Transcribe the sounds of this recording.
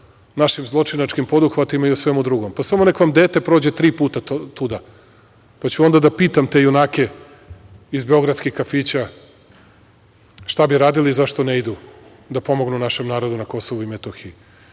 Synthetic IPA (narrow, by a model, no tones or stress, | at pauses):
naʃimzlˠot͡ʂinat͡ʃkimpo̞d̪uxʋat̪imaiosʋemud̪ɾuɡompasamonekʋamd̪eːt̪e̞pɾoːd͡ʑe̞t̪ɾiːpuːt̪at̪ud̪a | pat͡ɕuo̞nd̪ad̪apiːt̪amt̪e̞junaːke̞ | izbe̞o̞ɡɾat̪skixkafiːt͡ɕa | ʃt̪abiɾaːd̪iliːzaʃt̪oneid̪u | d̪apo̞mo̞ɡnunaʃemnaːɾo̞d̪unako̞so̞ʋuimet̪oxiu